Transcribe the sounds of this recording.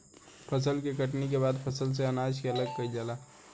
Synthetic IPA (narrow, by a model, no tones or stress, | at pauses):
pʰəsəlkekəʈnik̬ebad̪pʰəsəls̬eənad͡ʒkeələɡ̚kəild͡ʒala